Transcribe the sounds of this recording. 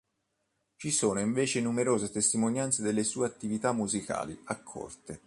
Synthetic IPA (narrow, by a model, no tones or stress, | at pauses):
t͡ʃisoːnoiɱveːt͡ʃenumeɾoːzet̪est̪imonjant̪sed̪elːesuːeat̪ːivit̪amːuzikʰa̰ːlḭakʰːɔ̰rt̪e